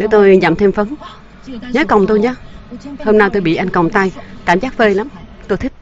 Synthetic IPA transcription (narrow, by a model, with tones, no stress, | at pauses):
ne˨˦wt̪o˧jza̰˧˨mt̪ʰe˧mfə˨˦n | ɲəː˨˦jkə˨˩wŋ͡mt̪o˧jɲaː˧ho˧mna˧wt̪o˧jɓḭ˧˨ʔa˧jŋ̟kə˨˩wŋ͡mt̪a˧jkaː˧˩mzaː˦˥k̚fəː˧jla˨˦mt̪o˧jt̪ʰk̚